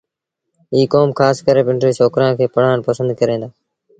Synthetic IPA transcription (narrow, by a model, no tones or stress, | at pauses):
iːkoːmxaːskəɾeːpɪ̃ɳʈɾeːt͡ʃʰoːkɾãːnkʰeːpəɽ̤aːɳpəsə̃nd̪kəɾẽːnd̪aː